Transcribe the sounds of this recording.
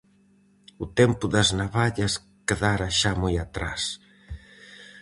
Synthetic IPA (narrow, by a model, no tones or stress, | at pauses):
ʊt̪ɛmpʊðɐznaβaʎɐs | keðaɾɐʃamojat̪ɾa̰s